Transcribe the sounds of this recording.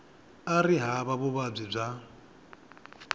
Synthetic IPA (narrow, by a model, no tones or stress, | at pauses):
ariɦaβaβʊβab͡ʐʷib͡ʐʷa